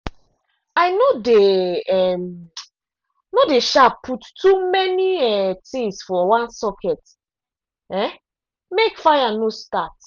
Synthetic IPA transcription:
aɪnodeɛm | nodeʃapʰːuttːumɛniɛtĩŋsfɔwãnsɔkʰɛt | ɛ | mekfajanostat

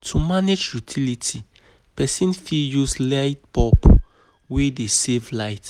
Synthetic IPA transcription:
tʰumaned͡ʒjutʰilitʰi | pɛsĩnfiljuslaɪtbɔp | wedesevlaɪt

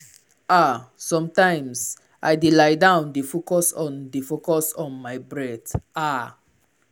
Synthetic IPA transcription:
asɔ̃mtãɪ̃ms | ʔa̰jdelajdãʊ̃ndefokɔsɔ̃ndefokɔsɔ̃nmajbɹɛta

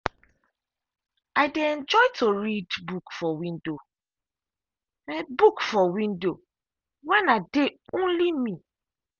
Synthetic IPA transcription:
aɪdeɛ̃nd͡ʒɔɪtʰoɹidbukfɔwĩndo | ɛbukfɔwĩndo | wɛnadeõnlimi

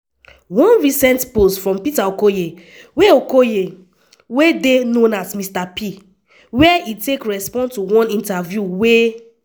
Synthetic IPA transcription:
wɔ̃nɹisɛ̃ntpostfɹɔ̃mpitaokoje | weokoje | wedenõnasmistapi | wɛʔitekɹɛspɔ̃nstuwɔ̃nĩntavjuwe

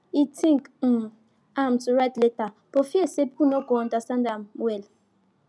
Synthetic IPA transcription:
itʰĩŋkm̩ | amtuɾatleta | pofiesep̚kunoɡɔndasãndamwɛl

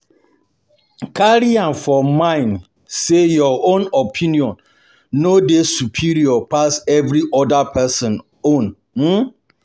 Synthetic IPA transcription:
kʰaɾiãnfɔmãɪ̃n | sejɔʔõnɔpʰĩniɔ̃nː | odesupʰiɾiɔpʰasɛvɾiʔɔdapʰɛsɔ̃n | õn | m̩

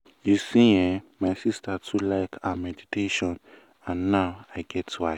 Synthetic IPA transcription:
jusĩjɛ̃maɪsistatʰulaɪkʰamɛditeʃɔ̃n | ãnːaʊaɪɡɛtʰːua

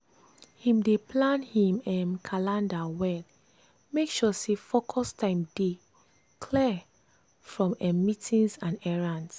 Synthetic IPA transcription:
hĩmdeplãnhĩmɛ̃mkʰalãndawɛl | mekʃɔsefokʰɔstʰãɪ̃mde | kʰlɛ | fɹɔ̃mɛmitĩnsãnɛɹãns

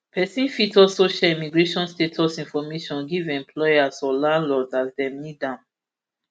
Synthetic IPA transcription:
pʰɛsĩnfitɔsoʃɛimiɡɹeʃɔ̃nstetʰɔsĩnfɔmeʃɔ̃nɡivɛ̃mpʰlɔjasɔlãnlɔzazdɛ̃mnidãn

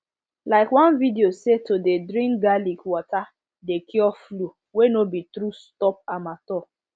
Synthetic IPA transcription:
laɪkwãnvidiosetodedɾĩŋkɡalikwɔta | dekiɔflu | wenobitɾustɔp̚amatɔ

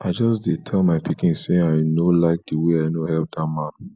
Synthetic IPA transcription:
ʔaɪd͡ʒɔsdetʰɛlmaɪpikĩnseaɪnolaɪk̚diweaɪnohɛlp̚damãn

